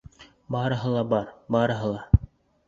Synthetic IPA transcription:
bɑːɾɤ̆ɦɤ̆lˠɑbɑɾbɑɾɤ̆ɦɤ̆lˠɑ

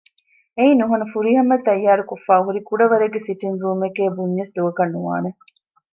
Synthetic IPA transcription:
einuɦɐnɐfuɾiːɦɐmːɐt̪ːɐjːaːɾukofːaːɦuɾikuɖɐʋɐɾeɡːesiʈinɾuːmekeːbuɲːesd̪uʋɐkɐnːuʋa̰ːne

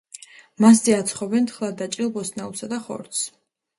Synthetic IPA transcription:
mas̬d̪iat̪sʰχɔbɛnt̪ʰχlˠad̪at͡ʃʼilˠbɔsnaulˠsad̪aχɔ̰ɾt̪s

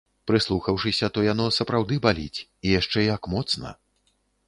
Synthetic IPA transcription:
pɾɨslˠuxɐwʂɨsʲɐt̪ɔjanɔsɐpɾawd̪ɨbalʲḭt͡sʲijaʂt͡ʂɛjakmɔt̪snɐ̰

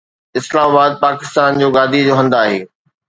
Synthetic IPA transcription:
ɪslaːmabaːd̪̚paːkɪ̥st̪aːnd͡ʑoːɡaːd̪ʱid͡ʑoːɦɐ̃nd̪aːɦḛː

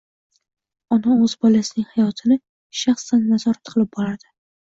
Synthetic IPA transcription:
ɒnaɵzbɒlasɪnɪŋhajɒt̪ʰɪnɪ | ʃaχsanːazɒɾat̪qʰɨlɪp̚bɒɾad̪̥ɪ

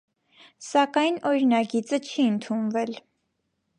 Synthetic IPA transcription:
sɑkɑjnɔɾinɑɡit͡sət͡ʃʰiənt̪ʰunvɛl

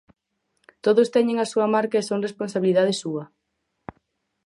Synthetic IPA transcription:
t̪oðost̪ɛɲẽŋɐsuɐmaɾkaesoŋresponsaβiliðað̞ɪsuɐ

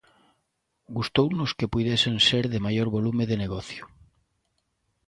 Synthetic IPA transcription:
ɡust̪ownʊskepujðesenseɾðemajoɾβolumeðeneɣɔθjʊ̥

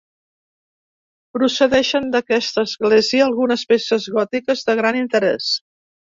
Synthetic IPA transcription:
pɾusəðɛʃənd̪əkɛst̪əːzɣleziəːlˠɣunəspesəzɣɔt̪ikəzðəɣ̞ɾanint̪əɾɛ̰s

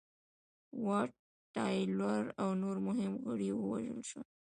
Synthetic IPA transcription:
wɑʈː | ɑjlwaɾawnoɾmʊɦɪmɣəɽiwəwa̰ʒə̰lʃə

